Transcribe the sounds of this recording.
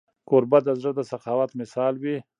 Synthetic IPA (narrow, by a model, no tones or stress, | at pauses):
koɾbad̪əzɽəd̪əsaqɑːwat̪mɪsɑːlwi